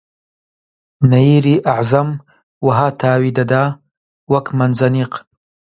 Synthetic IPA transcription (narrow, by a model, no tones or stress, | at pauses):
naiɾiʔaʕzam | waɦaːt̪ʰaːwid̪ad̪a | wɐkmɐnzɐniq